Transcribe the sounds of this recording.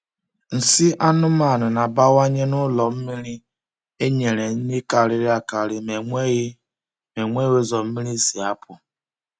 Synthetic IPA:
n̩˨sɪ˦ʔa˦nʊ˦ma˨nʊ˨na˨ba˦wa˦ɲe˦nʊ˦lɔ˨m̩˦mi˦ɾi˦ | e˦ɲe˨ɾe˨ɲ̩˦ɲe˦ka˨ɾɪ˦ɾɪ˦a˦ka˨ɾɪ˦me˨ŋʷe˦ɣ | me˨ŋʷe˦we˦zɔ˨m̩˦mi˦ɾi˦si˨a˦pʰʊ˨

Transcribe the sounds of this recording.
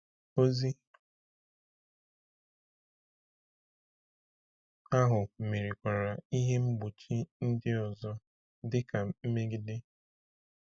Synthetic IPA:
o˦zi˦ | a˦ɦʊ˨m̩˨me˨ɾi˨kʷa˨ɾa˨i˦ɦe˦ŋ͡m̩˦ɡ͡bu˨t͡ʃi˦n̩˦dɪ˦ɔ˨zɔ˦ | dɪ˦ka˨m̩˦me˦ɡɪ˦de˦

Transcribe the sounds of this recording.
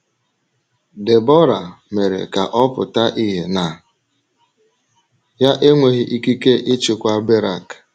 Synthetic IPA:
de˨bɔ˦ɾa˨me˨ɾḛ˨ka˨ʔɔ˦pʊ̰˨ta˦ʔi˦ɦe˨na˨ | ja˦ʔe˦ŋʷe˨ɣɪ˦ʔi˦ki˦ke˦ʔɪ˦t͡ʃʊ˨kʷa˦be˦ɾa̰˨k

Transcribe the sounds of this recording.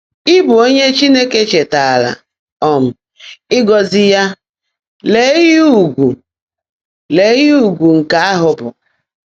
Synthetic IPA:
ɪ˦bʊ˨o˦ɲe˦t͡ʃi˦ne˦ke˦t͡ʃe˨ta˨a˨la̰˨ | ɔ˨m̩˨ | ɪ˦ɡɔ˨zɪ˦ja˦ | le˨˦ju˦˨ɡʷu˨ | le˨˦ju˨ɡʷu˨ŋ̩˨ka˦a˦ɦʊ˨bʊ̰˨

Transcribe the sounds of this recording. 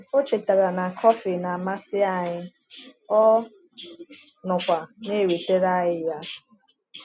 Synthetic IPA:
o˦t͡ʃe˨ta˨ɾa˨na˨kʰɔ˦fɪ˨na˨ma˦sɪ˦a˦˨ɲɪ˦ | ɔ˦ | nʊ˨kʷa˨ne˦˨we˨te˦ɾa˦ɦɪ˦ja˦

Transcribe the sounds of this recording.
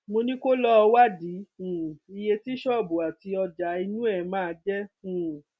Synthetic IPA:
mo˧nĩ˦ko˦lɔ˦ɔ˧wa˦dĩ˨˦˨i˧je˧ti˦ʃɔ˦˨bu˨a˨ti˧ɔ˧d͡ʒa˨˦i˧nũ˦ɛ˦˨˦mãː˦˨˧d͡ʒɛ˦ũ˨

